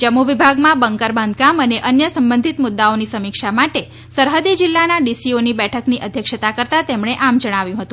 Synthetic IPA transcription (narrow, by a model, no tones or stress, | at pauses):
d͡ʒəmuʋibʱaɡmãbəŋkəɾbãnd̪ʱɡaməneʔənjəsəmbənd̪ʱit̪mʊd̪ːaonisəmikʃamaʈe | səɾɦəd̪id͡ʒɪlːanaɖisionibɛʈʰəkniʔəd̪ʱjəkʃət̪akəɾt̪at̪emɳeʔamd͡ʒəɽ̃aʋjũɦət̪ũ